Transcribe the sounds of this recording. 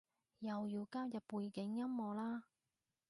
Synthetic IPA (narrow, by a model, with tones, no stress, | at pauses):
jɐ˨wjiː˨˧wkaː˥wjɐ˨pːuː˨˧jkɪ˨˥ŋjɐ˥mmɔː˨laː˥